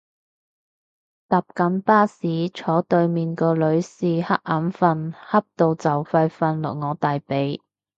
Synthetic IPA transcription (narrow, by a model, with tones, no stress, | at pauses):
t̪aː˨p̚kɐ˨˥npaː˥siː˨˥t͡ʃʰɔː˨˥t̪ɵ˧ɥmiː˨nkɔː˧lɵ˨˧ɥsiː˨˩hɐ˥k̚ʔa˨˥nfɐ˧nhɐ˥p̚t̪o˨˧wt͡sɐ˨˩wfɐ˧jfɐ˧nlɔ̰ː˨˩ŋɔː˨˧t̪aː˨jpe˨˧˥j